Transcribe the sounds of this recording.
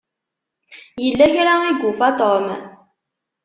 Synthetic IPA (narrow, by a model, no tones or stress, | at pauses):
jilːeçeɾaŋiɡufat̪ɔma̰